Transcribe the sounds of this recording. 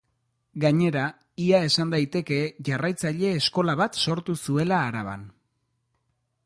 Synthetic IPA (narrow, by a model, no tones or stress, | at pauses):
ɡaɲe̞ɾa | iae̞sand̪ajt̪e̞ke̞ʝarajt͡saʎe̞ːsko̞laβat̪so̞ɾt̪usue̞laːɾaβ̞a̰n